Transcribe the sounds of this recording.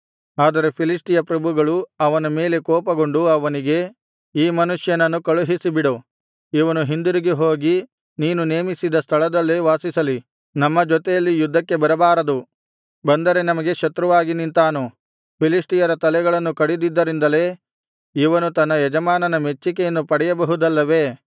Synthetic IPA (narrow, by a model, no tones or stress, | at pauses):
aːd̪ɐɾe̞pʰilisʈijɐpɾɐbʱuɡɐɭuɐʋɐnɐme̞ːle̞kɔːpɐɡo̞ɳɖuɐʋɐniɡe̞ | iːmɐnuʂjɐnɐnːukɐɭuɦisibiɽo | iʋɐnuɦind̪uɾiɡeɦoːɡi | niːnune̞ːmisid̪ɐst̪ʰɐɭɐd̪ɐlːeʋaːsisɐli | nɐmːɐd͡ʒɔt̪ejɐlːijud̪ʱːɐkːe̞bɐɾɐbaːɾɐd̪u | bɐnd̪ɐɾe̞nɐmɐɡe̞ʃɐt̪ɾɐʋaːɡinint̪aːnu | pʰilisʈijɐɾɐt̪ɐlɛɡɐɭɐnːukɐɽid̪id̪ːɐɾind̪ɐle̞ː | iʋɐnut̪ɐnːɐjɛd͡ʒɐmaːnɐnɐmet͡ʃːikejɐnːupɐɽɛjɐbɐɦud̪ɐlːɐʋe̞ː